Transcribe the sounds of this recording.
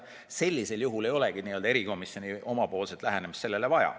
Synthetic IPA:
se̞lʲːise̞ljuɦule̞jo̞le̞ɡ̥id̪niːø̞ld̪ɑe̞ɾiko̞misjo̞nʲiʔo̞mɑpo̞ːlset̪læɦenemistse̞lːele̞vɑjɑ̰

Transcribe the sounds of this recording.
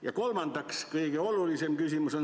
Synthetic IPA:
jɑkolmɑnd̪ɑkskɤiɡ̥eolulisemkysimuson

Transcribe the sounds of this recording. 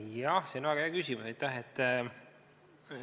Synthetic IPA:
jɑhseonvæːɡɑjɑːkysʲimusɑjt̪ːˑæɦet̪ː

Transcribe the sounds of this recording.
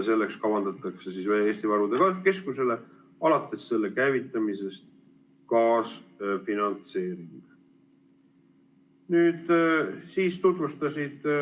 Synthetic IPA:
se̞lːe̞kskɑvɑnd̪ɑt̪ːˑɑkse̞sisvæjeːst̪ivɑɾud̪ekɑke̞skuse̞le̞ | ɑlɑt̪ˑːe̞sːe̞lːe̞kæjvit̪ːˑɑmise̞st̪̚ | kɑːsfinɑnt̪se̞ːɾim | nyːd̪̥siːst̪ut̪vust̪ɑsʲid̪̥

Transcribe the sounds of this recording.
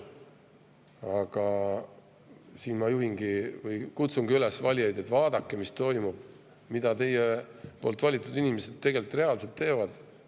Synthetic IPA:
ɑɡ̥ɑ | siːnmɑjuɦiŋɡ̥ivɯjkut̪suŋɡ̥iylesvɑlʲijɑjd̪et̪vɑːd̪̥ɑkːemist̪o̞jmub̥̚ | mid̪̥ɑt̪e̞jepo̞lt̪ˑvɑlʲit̪ːˑud̪inimese̞d̪̥̚t̪e̞ɡe̞lt̪ːˑre̞ɑlse̞lt̪ːe̞ːvɑd̪̥

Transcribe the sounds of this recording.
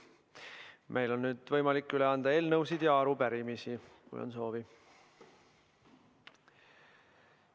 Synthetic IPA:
mʔe̞jlo̞nːyːd̪̥vɤ̞jmɑlikːyle̞ɑnd̪ɑe̞ːlnɤwsid̪̥jɑɑɾupæɾimisikṵjo̰nso̞ːvi

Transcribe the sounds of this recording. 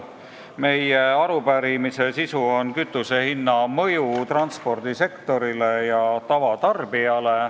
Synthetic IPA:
me̞jeɑɾupæɾimise̞sisuonkyt̪ːˑuse̞hinːɑmɤ̞jut̪rɑnt̪spo̞rd̪̥ise̞kt̪o̞ɾile̞jɑt̪ɑvɑt̪ɑrb̥iɑle̞

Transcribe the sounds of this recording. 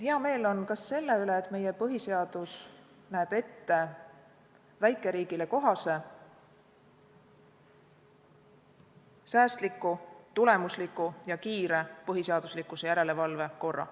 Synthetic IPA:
heɑme̞ːlo̞nkɑsːe̞lːe̞yle̞ːt̪me̞jepɤɦise̞ɑd̪̥us | næːb̥e̞t̪ːe̞ | væjkːˑe̞ɾiːɡ̥ile̞ko̞ɦɑse̞ | sæːst̪likːˑut̪ule̞muslikːˑujɑkiːɾe̞pɤɦise̞ɑd̪̥uslikːˑuse̞jæɾe̞le̞vɑlve̞ko̞rːɑ̰

